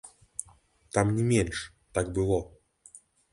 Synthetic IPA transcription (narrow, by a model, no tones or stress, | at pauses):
t̪amnʲɪmʲenʲʂ | t̪ak̚bɨlˠo